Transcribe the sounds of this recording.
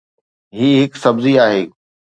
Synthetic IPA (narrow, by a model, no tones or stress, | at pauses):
ɦiːɦɪksɐbziaːɦeː